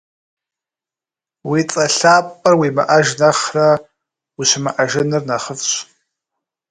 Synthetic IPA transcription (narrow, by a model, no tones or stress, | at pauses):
wit͡sʼɐɬaːpʼɐrwima̰ʔaʒnaχra | wiʃʷɪmaʔaʒɪnɨrnaχəfɕʷ